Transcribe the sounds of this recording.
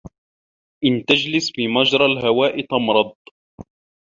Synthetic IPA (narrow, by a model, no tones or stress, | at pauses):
ʔɪnt̪ad͡ʒlɪsfimad͡ʒɾˤɑlɦawaːʔɪt̪ɑmɾˤɑd̪̚ˤ